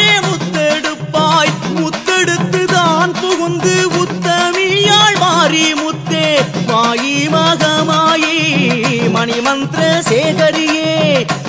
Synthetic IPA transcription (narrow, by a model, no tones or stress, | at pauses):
eːmʊt̪ːɛɽɯpːaːjmʊt̪ːɛɽɯt̪ːɯðaːnpɔɣɯnd̪ɯʊt̪ːɐmɪjaːɭmaːɾimʊt̪ːeːʋaːjimɐɣɐmaːji | mɐnɪmɐnd̪ɾɐseːɣɐɾɪjeː